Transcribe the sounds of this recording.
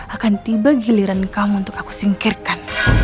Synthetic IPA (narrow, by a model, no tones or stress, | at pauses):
ʔakant̪ibaɡiliɾankamuːnt̪ʊkaku̥siŋkirkan